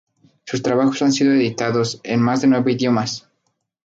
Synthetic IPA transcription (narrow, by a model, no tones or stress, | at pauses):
sust̪ɾaβaxo̞̥sansiðoeðit̪aðo̞se̞nmazðe̞nwe̞βoiðjo̞mas